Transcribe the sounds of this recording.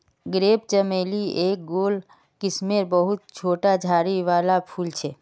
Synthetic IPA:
ɡɾeːpt͡ʃəmelieːk̚ɡoːl | kɪsmeɾbəɦʊt̪̚t͡ʃʰoːʈad͡ʒʱaːɾiʋaːlapʰult͡ʃʰe

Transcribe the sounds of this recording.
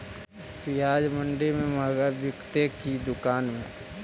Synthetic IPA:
pɪjaːd͡ʒmə̃ɳɖemẽməɦɡabɪkt̪ekid̪ʊkaːnmẽ

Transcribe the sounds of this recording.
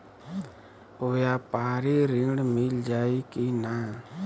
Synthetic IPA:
oːjaːpaːɾiɾiɽmɪld͡ʒaːikinaː

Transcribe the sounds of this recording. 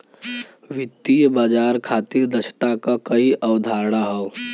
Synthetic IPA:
ʋɪt̪ːijbaːd͡ʒaːɾkʰaːt̪iɾd̪ɐʃt̪akakɐiʔɐʋd̪ʱaːɾɽaɦɔː

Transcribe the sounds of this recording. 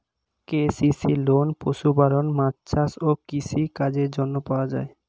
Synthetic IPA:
kesisilonpoʃubaɾonmatt͡ɕʰasokisikad͡ʑeɾd͡ʑonːopaoad͡ʑa̰e

